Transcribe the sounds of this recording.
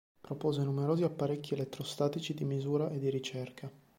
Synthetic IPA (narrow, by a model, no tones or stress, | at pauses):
pɾopoːzenumeɾoːziapːaɾekʲːielet̪ːɾost̪aːt̪it͡ʃid̪imizuːɾaʔed̪ːiɾit͡ʃɛrkʰa